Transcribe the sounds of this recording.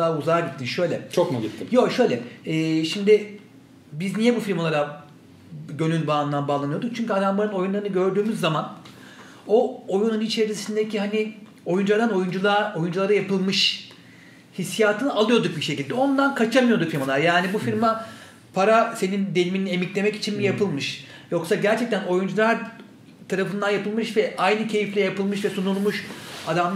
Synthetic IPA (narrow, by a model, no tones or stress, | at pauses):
aːuzaɾɟit̪ʰːiʃøjlʲɛt͡ʃʰokmuɡit̪ʰːimjo̞ʃø̞jlʲɛɛːʃimd̪ɪ | biznijɛbufiɾmalˠaɾa | ɟølʲynbaːnɯnd̪anbaːlˠanɯjo̞d̪uk̚t͡ʃʰyɲcyad̪ambanɯno̞junlˠaɾɯnɯɡɟø̞ɾd̪yːmyzːaman | o̞ojununit͡ʃʰe̞ɾisind̪eciɦani | o̞jund͡ʒulˠaɾd̪ano̞jund͡ʒulˠao̞jund͡ʒulˠaɾajapɯlˠmɯʃ | hisjaːt̪ʰɯnɯalˠɯjo̞d̪uk̚biʃe̞cilʲd̪ɛo̞nd̪ankʰat͡ʃʰamɯjo̞d̪ufiɾmalˠaɾjaːnibufiɾma | pʰaɾase̞nind̪eliminie̞miclʲe̞mɛci̥t͡ʃʰinmijapʰɯlˠmɯʃ | jo̞ksaɟæɾt͡ʃʰɛc̚t̪ʰæno̞jund͡ʒulˠaɾ | t̪ʰaɾafɯnd̪anjapɯlˠmɯʃvɛʔajnɯcʰe̞jiflʲɛjapɯlˠmɯʃvɛsunulˠmuʃad̪am